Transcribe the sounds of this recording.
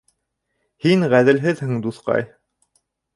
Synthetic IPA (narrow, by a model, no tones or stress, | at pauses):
hiŋʁæðɘ̆lɦɘðhɘɴd̪uθqɑ̰j